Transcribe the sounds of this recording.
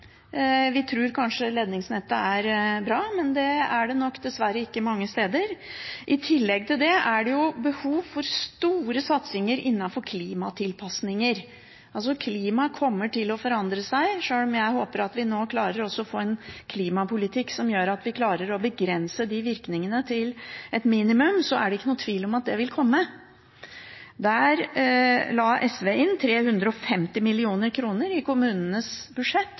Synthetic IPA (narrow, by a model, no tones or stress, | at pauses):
ʋɪt̪ʰɾʉːɾkʰɑnʂəleːd̪nɪŋsnɛt̪ːəæɾbɾɑːmɛnd̪ɛæɖɛnɔkːd̪ɛsʋæɾːəɪkːəmɑŋːəst̪eːd̪əɾʔɪt̪ʰɪlːɛɡ̚t̪ʰɪld̪ɛæɖɛjʊbəhuːʋfɔɾst̪uːɾəsɑt̪sɪŋəɾʔɪnːɑnfɔɾkʰliːmɑt̪ʰɪlpʰɑsnɪŋəɾ | ʔɑls̬ɔkʰliːmɑkʰɔmːəʈɪlɔfɔɾɑnd̪ɾəsæɪʂøːlɔmjæɪhoːpəɾɑt̪ʋɪnoːkʰlɑːɾəɾɔsːɔɔfoːɛnkʰliːmɑpʰʊlɪt̪ʰɪkːsɔmjøːɾɑt̪ʋɪkʰlɑːɾəɾɔbəɡɾɛnsəd̪ɪʋɪɾknɪŋənət̪ʰɪlɛt̪miːnɪmʉmsɔʔæɖɛɪkːənuːt̪ʰʋiːlɔmɑt̪̚d̪ɛʋɪlkʰɔmːə | d̪æɾ | lɑːʔɛsʋeːɪnt̪ʰɾeːhʉnd̪ɾəɔfɛmt̪ɪmɪlɪuːnəɾkʰɾuːnəɾɪkʊmʉːnənəsbʉd̪ʂɛt̪ː